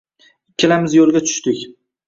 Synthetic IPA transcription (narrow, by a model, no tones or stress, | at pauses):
kʲʰːɪlamɪzjolˠɡʲat͡ʃʰʊ̥ʃt̪ɪkʲ